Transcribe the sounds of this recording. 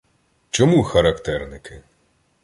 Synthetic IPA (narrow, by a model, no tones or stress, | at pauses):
t͡ʃɔmuxɐɾɐkt̪ɛrnɪkʰɪ